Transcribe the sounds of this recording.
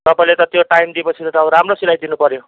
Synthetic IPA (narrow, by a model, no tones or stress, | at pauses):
t̪ʌpaĩlet̪ʌt̪joʈajmd̪iepʌt͡sʰit̪ʌt̪ʰawɾamrosilajd̪inupʌɾjo